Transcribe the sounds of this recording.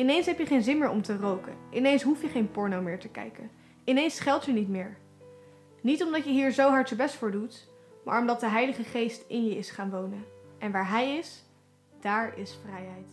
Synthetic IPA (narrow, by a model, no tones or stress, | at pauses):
ɪnejnsɦɛpjəχejnzɪnmɪːɹɔmtərowkənʔɪnejnsɦufjəχejnpʊɹnowmɪːɹtəkɛ̰jkən | ɪnejnsχɛlˠtjənitmɪːɹ | nitɔmdɑtjəɦiːɹzowɦɑɹtəbɛstfʊːɹdut | ma̰ːɹɔmdɑt̚dəɦɛjləχəχejstɪnjəɪsχaːnʋownənʔɛnʋaːɹɦɛjɪs | d̥aːɹɪsfrɛjɦɛjt